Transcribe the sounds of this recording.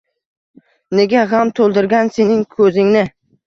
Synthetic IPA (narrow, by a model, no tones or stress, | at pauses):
ne̞ɡʲaʁamt̪ʰolˠd̪ɪɾɡʲanse̞nɪŋkʰɵzɪŋnɪ